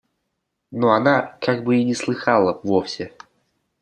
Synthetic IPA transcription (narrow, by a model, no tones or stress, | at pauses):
noanakaɡ̚bɨinʲɪslˠɨxalˠəvofsʲɪ